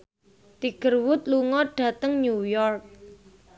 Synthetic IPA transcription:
t̪iɡ̥ərwʊt̪̚luŋɔɖ̥a̤t̪əŋɲujɔrk̚

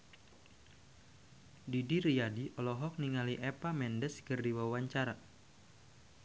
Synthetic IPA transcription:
didiɾiadiɔlɔɦɔk̚niŋaliʔɛpamɛndɛskɨrdiwawaɲt͡ʃaɾa

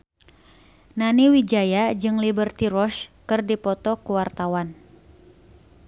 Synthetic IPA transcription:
naniwid͡ʒajad͡ʒɨŋlibərt̪iɾɔʃkɨrdipɔt̪ɔkuwart̪awan

